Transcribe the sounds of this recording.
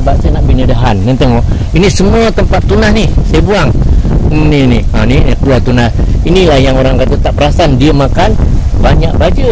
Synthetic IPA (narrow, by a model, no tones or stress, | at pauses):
baʔsənaʔbinədaɦannənt̪əŋɔ | inisəmuət̪əmpat̪ːunahnisajəbuaŋm̩ninianinkuat̪unahinilahjaŋoɾaŋkat̪ət̪aʔpəɾasandiəmakanbaɲaʔ̚bad͡ʒə